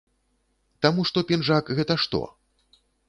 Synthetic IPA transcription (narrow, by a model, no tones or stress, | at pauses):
t̪amuʂt̪ɔpʲinʐakɣɛt̪ɐʂt̪ɔ̰